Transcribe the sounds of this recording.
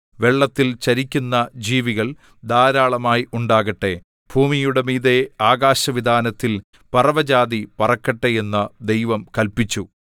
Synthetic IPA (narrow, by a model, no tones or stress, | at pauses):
ʋe̞ɭːɐt̪ːilt͡ɕɐɾikʲːunːɐd͡ʑiːʋiɣɐɭ | d̪aːɾaːɭɐmaːjiʔuɳɖaːɣɐʈːe̞ | b̥ʱuːmijuɽe̞miːðe̞aːɡaːɕɐʋid̪ʱaːnɐt̪ːil | pɐrɐʋɐd͡ʑaːðipɐrɐkːɐʈːejenːɐd̪e̞jʋɐmkɐlpit͡ɕːu